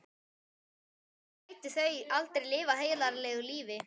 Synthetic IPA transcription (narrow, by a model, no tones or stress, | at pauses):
ajt̪ɪθejʔalt̪eɾlɪːvaɦeːjlaɾlɛːɣʏliːvɪ